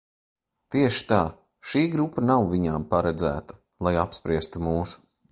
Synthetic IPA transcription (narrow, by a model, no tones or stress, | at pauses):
t̪iɛʃi̥t̪aː | ʃiːɡɾupːɐnawviɲampaɾɛd̪zæ̰ːt̪ɐ̥ | lˠajapspɾiɛst̪umuːs